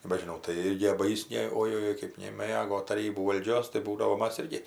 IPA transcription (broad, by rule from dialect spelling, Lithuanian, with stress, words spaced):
nʲɛbʲɛʒʲɪˈnɐʊ tɐɪ ˈɪrʲɡʲɪ bɐ ˈjɪs ˈnʲɛ oːjoːˈjoːɪ kɜp nʲɛˈmɘɡoː tɐˈrʲiːbuː ʋɐlʲˈd͡ʒʲoːs tɐɪ ˈbuːdɐʋoː ˈmɐs ˈɪrʲɡʲɪ